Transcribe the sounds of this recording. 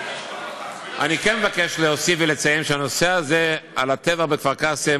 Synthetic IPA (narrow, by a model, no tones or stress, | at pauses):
ʔa̰nikenmevakeʃleosifvelet͡sajemʃeano̞se̞aze̞alat̪evaχbekvaʁkase